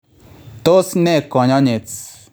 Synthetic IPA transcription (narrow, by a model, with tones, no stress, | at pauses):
t̪o˦snɛ˦˨kɔ˨ɲɔ˦ɲe˨t͡s